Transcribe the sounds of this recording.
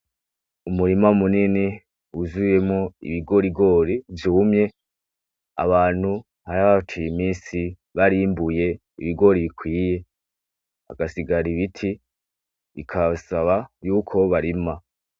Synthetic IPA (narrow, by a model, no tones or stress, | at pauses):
umuɾimamunini | uzuje̞mŋo̞ḭβiɡo̞ɾiɡo̞ɾivjuːmɲe̞ | a̰βaːn̥hu | haɾaβat͡ʃijimiːsi | βaɾimbuje̞ | ḭβiɡo̞ɾiβikʰwiːje̞ | a̰ɡasiɡaɾiβitʰi | ikʰasaβajuːkʰo̞βaɾima